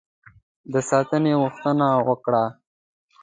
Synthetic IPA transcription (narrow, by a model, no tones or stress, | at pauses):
d̪əsɑːt̪əneɣʊxt̪ənawəkɽa